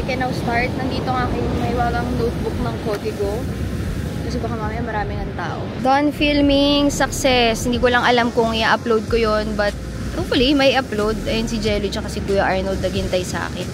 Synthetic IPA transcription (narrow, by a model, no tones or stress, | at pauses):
ɐkɛnawst̪aɹt̪̚nɐŋd̪iːt̪oŋaːkɪnmɐhɪwaːɡɐŋnoːt̪̚bʊk̚nɐŋkoːd̪ɪɡo | kɐsɛbɐkamaːmɐjamɐɾaːmɪnɐŋt̪a̰ːʔo̰d̪onfilmɪŋsɐk̚sɛshɪnd̪iːkolɐŋʔɐlamkʊŋɪaʔɐplowd̪̚kojonbɐt̪̚ | ʔopfɐlimɐjɪʔɐplowd̪̚ʔɐjɐnsɪd͡ʒɛlʊt͡ʃɐkɐsɛɡuːjɐʔaɹnowd̪̚nɐɡɪnt̪ɐjsɐʔa̰ːkɪn